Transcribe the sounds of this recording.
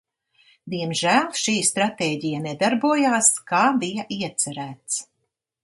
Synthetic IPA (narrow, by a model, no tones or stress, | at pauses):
d̪iɛmʒæːlˠʃiːst̪ɾat̪eːɟijaned̪aɾbuɔjaːskaːbijaʔiɛt̪sæɾæːt̪s